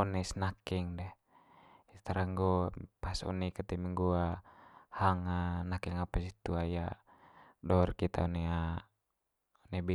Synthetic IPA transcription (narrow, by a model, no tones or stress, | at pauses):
ɔnɛsnakiŋdɛ | it̪aɾaŋɡopasɔ̰nikət̪ɛmiŋɡuahaŋanakiŋapasit̪uaja | dɔrkit̪ʰa̰ɔnɛa | ɔnɛbi